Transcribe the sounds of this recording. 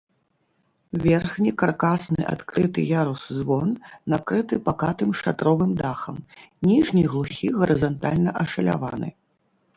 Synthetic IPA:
vʲɛrxnʲikarkasnɨ̰ʔa̰t̪kɾɨt̪ɨjaɾuszvɔnːakɾɨt̪ɨpakat̪ɨmʂat̪ɾɔvɨmd̪axɐ̰mnʲiʐnʲijɣlˠuxʲiɣɐɾɨzant̪alʲnɐʔɐʂɐlʲa̰va̰nɨ̰

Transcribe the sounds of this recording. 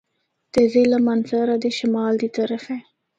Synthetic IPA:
d̪̥əzelamanzaɾad̪əʃɪmɑld̪ət̪aɾafe

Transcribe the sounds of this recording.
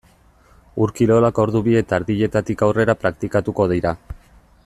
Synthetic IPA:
uɾkilo̞lako̞ɾðuβie̞t̪aːɾðiʎe̞t̪at̪ikawre̞ɾapɾakt̪ikat̪uko̞ð̞ijɾa

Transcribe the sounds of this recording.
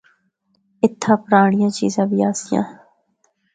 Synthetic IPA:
ɪt̪ʰːãːpəɾaːɳɪjãːt͡ʃḭːzãːbiːaːsɪjã̰ː

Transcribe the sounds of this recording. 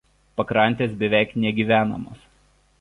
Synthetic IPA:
pɐkɾɐˑnʲˑt̪ʲeːsbʲɛʋʲæˑɪknʲɛɡʲiːʋʲæːnɐ̰mo̰ːs

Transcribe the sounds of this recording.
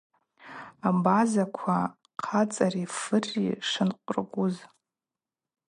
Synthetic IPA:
abazakʷʰa | qʰat͡sʼarifɨrːḭʂɨnqʷʼrɡʷʊz

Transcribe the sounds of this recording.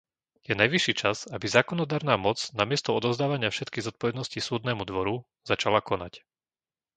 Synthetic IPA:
jɛnajʋiʃːiːt͡ʃazabizaːkɔnɔd̪aːɾnaːmɔt͡snamɪɛst̪ɔɔd̪ɔʊzd̪aːʋaɲɪafʃɛt̪kiːɣzɔt̪̚pɔʋɛd̪nɔscisuːd̪nɛːmud̪ʋɔɾu | zat͡ʃalakɔna̰c

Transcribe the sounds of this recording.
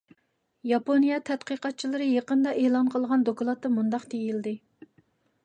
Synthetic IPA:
jɑponijɑt̪ʰɛt̪qəqɑt̪̚t͡ʃʰilˠɨɾɨjeqənd̪ɑʔelˠɑnqʰəlˠʁɑnd̪okulˠɑt̪ːɨmund̪ɑqt̪ʰejild̪ɪ

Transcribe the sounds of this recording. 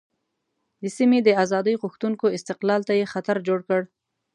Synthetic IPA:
d̪əsimed̪əazɑd̪əjɣʊxt̪unkoɪst̪ɪqlɑlt̪ajexat̪aɾd͡ʒoɽkəɽ

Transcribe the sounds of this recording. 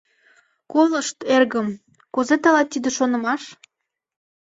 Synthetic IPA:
kolə̆ʃt̪erɣəm | kuzet̪ɑlɑt̪ːid̪ĕʃonə̆mɑʃ

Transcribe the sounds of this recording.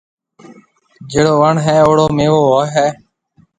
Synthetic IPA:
d͡ʒeːɽoːʋəɳɦɛːoːɽoːmeːʋoːoːɦɛː

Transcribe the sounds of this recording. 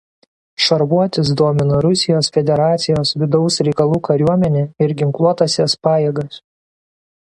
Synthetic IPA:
ʃɐɾbuɔt̪ʲɪs̬d̪oɔmʲɪnɐɾʊsʲɪjoːsfʲɛd̪ʲɛɾɑːt̪sʲɪjoːsʋʲɪd̪ɒʊsɾʲɛɪkɐlˠuːkɐɾʲuɔmʲɛnʲeːɪɾɡʲɪŋklˠuɔt̪ɐsʲɛspɑːjeːɡɐs

